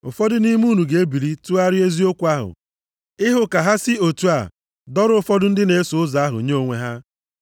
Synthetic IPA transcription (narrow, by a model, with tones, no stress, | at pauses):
ʊ̰˨fɔ˦dʊ˦ni˦mu˦˨nu˨ɡe˨˦e˦bi˨ɾi˦tu˦a˦ɾɪ˦e˦zi˦o˦kʷa˦ɦʊ̰˨ | ɪ˦ɦʊ˨ka˨ɦa˦sɪ˦o˨tu˦a˨ | dɔ˦ɾʊ˦ʊ˦˨fɔ˦dʊ˦n̩˦dɪ˦ne˨˦sʊ˨ʊ˦za˨a˦ɦʊ˨ɲe˦o˨ŋʷe˦ɦa˦